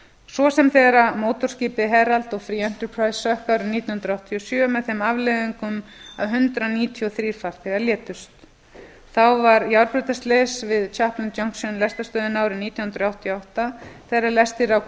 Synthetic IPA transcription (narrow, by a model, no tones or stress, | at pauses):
svɔsɛmθɛɣɾamoːwt̪ɔrsciːpɪɦɛɾalt̪ɔɣfɾiɛn̥t̪əɾpʰɾajsːœhkaːwɾʏmniːt̪jnhnɾawht̪ʰiɔsjœːmɛðθemavlɛðiŋkʏmawɦʏnt̪ɾaniːt̪ʰiɔθɾiːɾ̥faɾ̥θɛɣaɾljɛːt̪ʏst̪ | θawvaɾjawɾpɾʏːt̪ast̪lesvɪðt͡ʃʰahplɪnt͡ɕowŋksʏnlɛst̪ast̪œːðɪnaːwɾʏmniːt̪jannɾɔawht̪ʰiɔawht̪aθejralɛst̪ɪɾaw